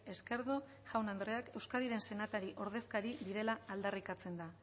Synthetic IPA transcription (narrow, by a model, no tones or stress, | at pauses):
e̞ske̞ɾðo | ʝawnand̪ɾe̞ake̞wskaðiɾe̞nse̞nat̪aɾiʔo̞ɾð̞e̞skaɾiðiɾe̞laald̪arikat͡se̞nd̪a